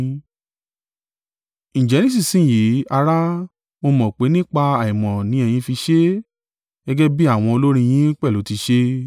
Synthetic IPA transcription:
ñ̩˨d͡ʒɛ˨nĩ˦˨s̬i˦˨sĩ˨˦˨ji˨˦a˧ɾa˦ | mo˧mɔ̃˨k͡pe˨˦nĩ˦k͡pa˧a˨ĩ˨mɔ̃˨nĩ˨˦ɛ˧˨j̃ĩ˧fi˧ʃe˦ | ɡ̥ɛ˦ɡɛ˦bi˦a˦˨w̃ɔ̃˧o˧lo˦ɾ̃ĩ˧j̃ĩ˦k͡pɛ˦˨lo˨˦ti˧ʃe˦

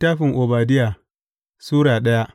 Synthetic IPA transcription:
taː˦ɸɪ˨ŋʔo˨baː˨dɪ˦ja˨ | suː˦ɾaː˨ɗɐ˦ja˦ʔ

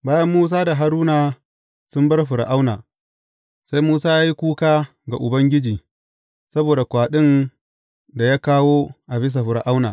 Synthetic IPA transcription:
baː˦jɐ˦mːuː˦s̬aː˦da˨ɦa˨ɾuː˦naː˨ | sʊ˦mbɐ˦rɸʊ˨ɾ̰ʔa˦wna̰˨ | sa˦jmuː˦saː˦jaː˦ji˦kʷuː˦kaː˦ | ɡa˨ʔʊ˨bɐ˦ŋɡʲɪ˦d͡ʒiː˨ | sɐ˦boː˨da˨kʷaː˨ɗɪ˦n | da˨ja˦kaː˦woː˦ʔa˨bɪ˦s̬a˨ɸʊ˨ɾʔa˦wna̰ː˨

